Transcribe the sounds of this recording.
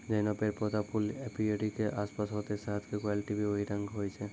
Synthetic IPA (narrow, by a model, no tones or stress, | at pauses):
d͡ʒɔnɔpeɾpɔd̪apʰulepioɖikeʔaspasɦot̪esaɦat̪kekwaliʈibioɦiɾaŋɡɦojt͡ʃʰe